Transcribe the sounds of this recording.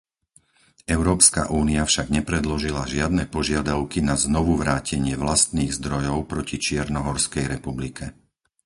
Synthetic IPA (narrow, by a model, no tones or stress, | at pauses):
ɛʊɾɔːpska̰ʔuːniafʃaɡɲɛpɾɛd̪lɔʒilaʒɪad̪nɛpɔʒɪad̪aʊkinaznɔʋuʋɾaːcɛɲɪɛʋlast̪niːɣzd̪ɾɔjɔʊpɾɔcit͡ʃɪɛɾnɔɦɔɾskɛjɾɛpublikʰɛ